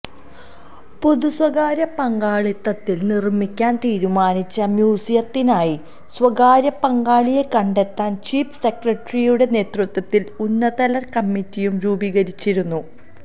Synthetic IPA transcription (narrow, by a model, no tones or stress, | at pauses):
puðuswɐɡaːɾjɐpɐŋɡaːɭit̪ːɐt̪ːilnirmikʲːaːnt̪iːɾumaːnit͡ɕːɐmjuːsijɐt̪ːinaːji | swɐɡaːɾjɐpɐŋɡaːɭije̞kɐɳɖe̞t̪ːaːnt͡ɕiːfse̞krɐʈrijuɽe̞ne̞ːt̪rut̪wɐt̪ːilunːɐðɐlɐrkɐmːitːijumɾuːbiɣɐɾit͡ɕːiɾunːu